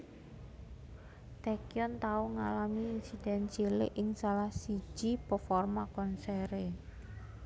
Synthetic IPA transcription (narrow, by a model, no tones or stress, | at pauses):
t̪ɛkjɔnt̪auŋalamiːnsid̪̥ɛ̤nt͡ʃilɪ̰ʔɪŋsalahsi̥ʒ̥ipəfɔrmakɔnsɛɾe